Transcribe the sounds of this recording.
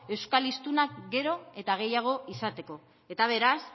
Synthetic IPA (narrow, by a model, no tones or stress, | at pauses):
e̞wskalist̪unakɡe̞ɾo̞e̞t̪aɣ̞e̞jaɣ̞o̞isat̪e̞ko̞ | e̞t̪aβ̞e̞ɾas